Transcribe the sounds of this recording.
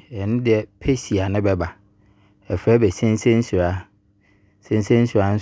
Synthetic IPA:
ɛ˨nʊ̃˦dɪ˦˨ɛ˨pʰe˦si˨a˨nɪ̃˦bɛ˦ba˨ | ɛ˨fɾɛ˦bɛ˨sɛ̃˦n˦sɛ̃˦n̩˦su˨ɾa˦ | sɛ̃˦n˦sɛ̃˦n̩˦su˨ɾa˨n̩˦

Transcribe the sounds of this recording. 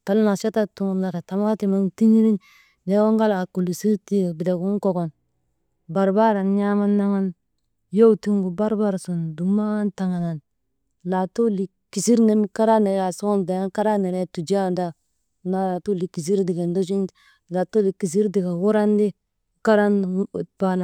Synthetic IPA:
ta˨˦lna˨sa˦ta˦tu˦ŋ˨la˨ɾa˨ta˨ma˦ti˨ma˦ŋti˦ɲi˦ɾi˦n | de˦wo˦ŋɡa˦la˨ku˨lu˨si˦ɾti˦a˨bi˨de˨ɡu˦ŋ˦ko˨ɡo˨n | ba˨ɾba˦ɾa˨n˦ɲa˦ma˦nːa˦ŋa˦n | jo˦wti˦ŋɡu˨ba˦ɾba˦ɾsu˨n˨du˨ma˦nta˨ŋa˨na˨n | la˨to˦li˨ | ki˨si˦ɾne˦mi˦ka˦ɾa˦ni˨ɾa˨so˦o˦nda˨ja˦ka˦ɾa˦ni˨ɾe˦tu˨d͡ʒa˦˨nda˦ | na˨la˨tu˦˨li˨ki˨s̬i˦ɾdi˨ɡe˨ndo˦d͡ʒ̬i˦n˦ | la˨to˦li˨ki˨s̬i˦ɾdi˨ka˨wu˦ɾa˦ndi˦ | ka˦ɾa˦n˨pa˦la˨

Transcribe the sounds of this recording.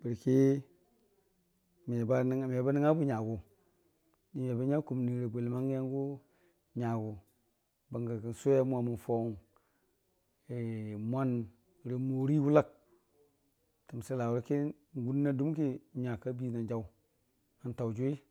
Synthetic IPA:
b̥i˨ɾki˦ | mi˨ba˦n˨m˨ja˨ba˦ni˦ŋa˦bu˦ɲa˨ɡu˨ | ni˨m˨a˨ba˦ɲa˦ku˨m˨ni˨ɾe˨bʷe˨lma˦ŋ˦e˦ŋɡu˦ | ɲa˨ɡu˨ | ba˨ŋɡa˨ki˨n˨su˦a˦mʷ˦a˨mu˨fo˦˨ŋ | e˨mʷa˦n˨ | ɾe˨mo˨ɾi˦wu˦la˦k̚ | ti˨m˨si˦la˨wu˨ɾi˦ki˦ | ŋ˦ɡu˦nːa˦du˦mki˦˨ɲa˨ka˦bi˦na˨d͡ʒa˨˦w | a˨nta˨wd͡ʒu˦i˦

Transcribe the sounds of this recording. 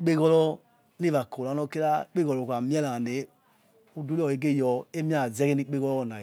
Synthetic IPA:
k͡pe˦ɣɔ˦lɔ˦ | ni˦va˨ko˨a˨˦nɔ˧˦ke˦la˦k͡pe˦ɡɔ˨lɔ˨a˨mi˦ɛ˦la˨ne˨˦ | u˦du˦ɔ˨e˨˦ɡe˦˨jɔ˧e˦mi˦a˦˨zɛ˦ke˦ni˦k͡pe˦ɣɔ˦lɔ˦ɔ˨na˨

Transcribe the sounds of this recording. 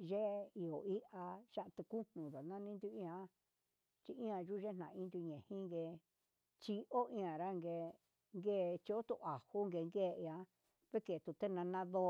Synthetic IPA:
ʒe˦i˧o˨i˦ʔa˧ʃa˦ʔt̪e˧ku˦nnũ˨ða˨nã˦nĩ˦nd̪u˧ĩ˦˧ã˧˦ | t͡ʃi˧ʔĩ˦ã˧ʒu˦˧ʒe˦nã˨˧ĩ˦nd̪u˧ɲẽ˨hĩ˦ŋɡe˧ | t͡ʃi˧ʔo˦ʔĩ˧ã˨ɾa˦ŋɡe˧ | ŋɡeː˦˨˧t͡ʃi˧o˦t̪ṵ˧ʔa˨hu˦ŋɡe˧ŋɡeː˦˧i˧ã˧˦ | βe˦ke˨t̪u˨t̪e˦nã˧nã˦ðo˧˦

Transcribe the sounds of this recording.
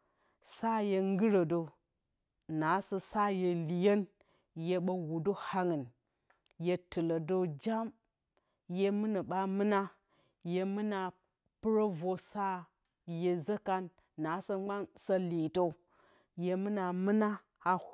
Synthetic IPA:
sa˦je˨ŋ˦ɡɨ˦ɾə˨do˨ | na˨˦sə˨sa˦je˨li˨je˦n | je˨ɓɐ˨wu˨do˦ha˦ŋɨ˨n | je˨tɨ˨lo˨do˦d͡ʒa˦m | je˦mɨ˦nə˨ɓa˦mɨ˦na˦ | je˨mɨ˦na˨ | pɨ˦ɾo˦vo˨sa˦ | je˨zə˦ka˦nː | a˨˦sɐ˦ɡ͡ba˦nsa˦li˨to˦ | je˨mɨ˦na˨mɨ˦na˦ | a˦

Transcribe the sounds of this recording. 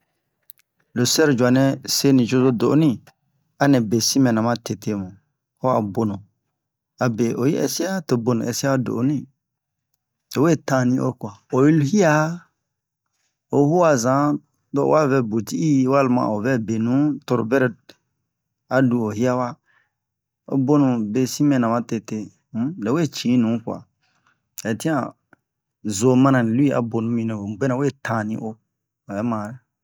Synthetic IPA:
lo˨sɛ˦ɾd͡ʒwa˨nɛ̃˨˦se˦nĩ˨d͡ʒo˦zo˦do˨˦nĩ˦ | a˦nɛ̃˨be˨sĩ˦mɛ̃˨nã˨mã˦te˨te˨mũ˨ | o˦a̰˨bo˨nõ˨ | a˨be˨ʔo˨jḭ˦ɛ̰˨si˦a˦to˨bo˨nõ˨ɛ˨si˦a˦do̰˨o˨˦nĩ˦ | o˨we˦˨tã˦˨nĩ˧˦ʔo̰˦kwa˨o˨ji˦lu˦hi˦a˦ | o˨˦hu˦a˨zã˨˦ | dɔ̰˨wʔa˦˨vɛ˨bo˨ti˦i˦wa˦˨lmã̰˨o˨vɛ˦be˨nũ˨˦to˨ɾo˨bɛ˦ɾɛ˨ | a˨du˧o˨hi˦a˦wa˦ | o̰˦bo˦nũ˨be˨sĩ˦mɛ̃˨nã˨mã˦te˧te˧˦ | le˨we˦˨t͡ʃĩ˨˦nũ˨˦kwa̰˨ | ɛ˨tĩ˦ã˨ | zo˨mã˦nã˨lu˦i˦a̰˨bo˨nũ˨˦mĩ˨nɛ̃˨o˨ɡ͡be˦nã˨we˦˨tʰã˨nĩ˦ʔo˦˨ | ɛ˨˦mã˨ɾe˨

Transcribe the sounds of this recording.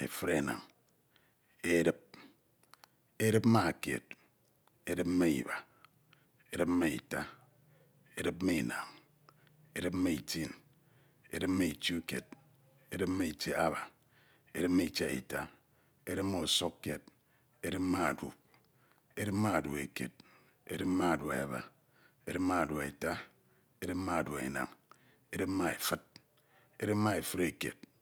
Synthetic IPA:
ḛ˨fɨ˦ɾe˨na̰˨ŋ | e˦ɾi˦p̚ | e˦ɾɨ˦p̚m̩˦ma˦a˨kḛ˨t̚ | e˦dɨ˦p̩̚˦me˦ḭ˨βa˨ | e˦ɾɨ˦p̚m̩˦me˦ḭ˨ta˦ | e˦ɾɨ˦p̩̚˦me˦˨na˨ŋ | e˦ɾɨ˦p̚m̩˦me˦ḭ˨ti˦˨n | ḛ˦ɾɨ˦p̚me˦i˨t͡ʃi˦u˦ke˨t̚ | e˦ɾɨ˦p̚m̩˦me˦i˨t͡ʃe˦a̰˦βa˨ | e˦dɨ˦p̚me˦i˨t͡ʃe˦ḛ˨ta˦ | e˦ɾɨ˦pmo˦o˨so˦kːe˨t̚ | e˦ɾɨ˦pma˦a˨dṵ˨ | e˦ɾɨ˦p̚ma˦a˨dṵ˨ḛ˨kḛ˨t̚ | ḛ˦dɨ˦p̚ma˦a˨du˨a̰˨ba̰˨ | e˦ɾɨ˦p̚ma˦a˨du˨ḛ˨ta˦ | e˦ɾɨ˦p̚ma˦a˨du˨ḛ˨na̰˨ŋ | e˦dɨ˦pma˦e˨fɨ˦t̚ | e˦ɾɨ˦p̚ma˦e˨fɨ˦ɾe˨kḛ˨t̚

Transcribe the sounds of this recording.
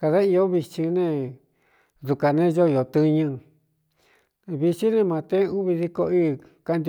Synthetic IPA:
ka˧ða˦i˧o˦βi˧t͡ʃĩ˧nẽ˦˧ | ðu˧ka˨nẽ˦˧ʒo˦˧jo˨t̪ɨ˧ɲɨ̃˧ | βi˧t͡ʃi˦nẽ˦˧mã˧t̪ẽ˦u˦βi˧ði˧ko˧iː˦ | ka˦nd̪ʲ

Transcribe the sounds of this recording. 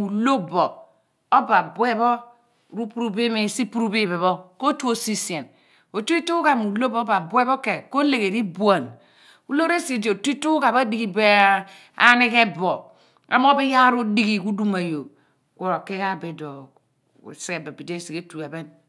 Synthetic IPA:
u˨lo˦bɔ˨ | o˦ba˨bwe˦bɔ˦ | ɾu˦pu˦ɾu˦be˦me˨si˦pu˦ɾu˦bi˦be˨βɔ˦ko˦tu˦o˨si˦se˨n | o˨tu˦i˦tu˦u˦ka˨m˨u˨lo˦bo˦o˦ba˨bwe˦bo˦ke˨ko˦le˨ke˨ɾi˦bu˦a˨n | u˦lo˦ɾe˦si˨d͡ʒo˨ti˦tu˦ka˨ba˦di˦ɡi˨be˦ | a̰˦ni˦ke˦bo˨ | a̰˨m˦o˦bi˦ja˦ɾu˦di˦ɡi˨ku˦du˦ma˨jo˨ | kʷo˨ɾo˨ke˦ka˦be˨dɔ̰˨ | se˦e˨be˨bi˨de˦˨si˨ke˦tu˨e˨bɛ˦n

